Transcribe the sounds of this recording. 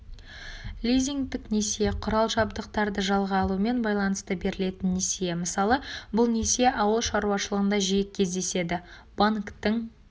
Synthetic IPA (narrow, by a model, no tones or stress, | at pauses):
lʲijziŋɡd̪ɪknesijeqʰʊɾɑlˠʒɑbd̪əqt̪ɑɾd̪əʒɑlˠʁɑːlˠuəme̞nbɑjlˠɑnəst̪əbe̞ɾɪle̞t̪ɪnːesije̞məsɑlˠəbʊlˠne̞seʔɑwəlˠʃɑɾuwɑʃəlˠəʁənd̪ɑʒijɪk̚kʲʰe̞zd̪e̞se̞d̪ɪ | baŋkt̪əŋ